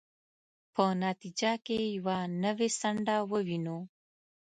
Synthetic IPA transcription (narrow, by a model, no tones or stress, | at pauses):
pənɑt̪id͡ʒakejawanəwesaɳɖawəwino